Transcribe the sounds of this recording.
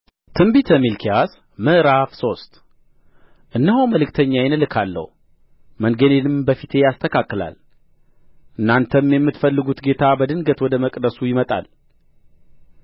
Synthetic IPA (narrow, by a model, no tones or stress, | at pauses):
t̪ʰɨmbit̪ʰəmilkʰijas | mɨʔɾafso̞st̪ | ʔɨnːəɦoməlɨkt̪ʰəɲːajɪnɨlɨkʰalːə̰h | mənɡənenɨmbəfit̪ʰe̞jast̪ʰəkʰakʼːɨla̰l | ʔɨnːant̪ʰəmjɛmːɨt̪fəlːɨɡut̪ɡe̞t̪ʰabəd̪ɨnɡət̪wɔd̪əməkʼd̪əsujɪmət̪ʼa̰l